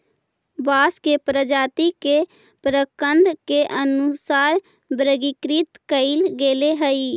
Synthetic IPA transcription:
baːskepɾəd͡ʒaːt̪ike | pɾəkənd̪keʔənʊsaːɾ | bɾəɡikɾit̪kəɪlɡeːleɦəiː

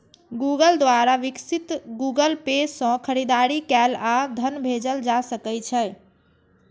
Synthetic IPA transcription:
ɡuɡəld̪ʋaɾaʋiksit̪ɡuɡəlpesə̃kʰəɾid̪aɾikɛlad̪ʱənbʱed͡ʒəld͡ʒasəkɛt͡ʃʰɛ

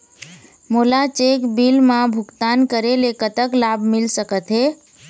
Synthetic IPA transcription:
molat͡ʃekbilmãbʱʊkt̪ankəɾelekət̪əklabʱmɪlsəkət̪ɦe

